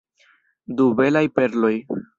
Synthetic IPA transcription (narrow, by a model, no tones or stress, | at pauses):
dube̞lajpe̞ɾlo̞j